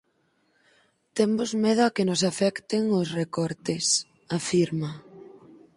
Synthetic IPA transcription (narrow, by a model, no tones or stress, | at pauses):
t̪embozmeð̞ʊakɪnosafɛkt̪eŋosrekɔɾt̪es | afiɾma